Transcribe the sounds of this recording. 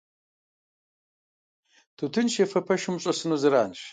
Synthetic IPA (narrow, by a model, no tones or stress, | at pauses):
tʰutʰɨnʃjefɐpʰɐʃɨmɕʷʼɐsɨnuzɨɾaːnʃ